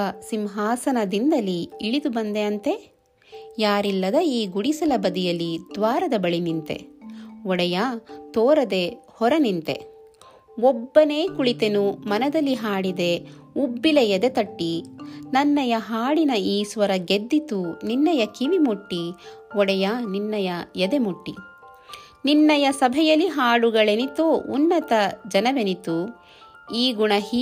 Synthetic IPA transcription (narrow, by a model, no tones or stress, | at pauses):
ɐsimɦaːsɐnɐd̪ind̪ɐliːɭid̪ubɐnd̪e̞ɐnt̪e̞ | jaːɾilːɐd̪ɐiːɡuɽisɐlɐbɐd̪ijɐlːid̪ʋaːɾɐd̪ɐbɐɭinint̪e̞̰ɔɽɛjat̪ɔːɾɐd̪e̞ | hɔɾɐnint̪e̞̰ | ɔbːɐne̞ːkuɭit̪e̞numɐnɐd̪ɐlːiɦaːɽid̪e̞ubːilɐjɐd̪et̪ɐʈːinɐnːɐjɐɦaːɽinɐiːsʋɐɾɐɡed̪ːit̪uninːɐjɐkiʋimuʈːiɔɽɛjaninːɐjɐjɐd̪emuʈːḭ | ninːɐjɐsɐbʱɛjɐlːiɦaːɭuɡɐɭenit̪oːʔunːɐt̪ɐd͡ʒɐnɐʋenit̪u | iːɡuɳɐɦi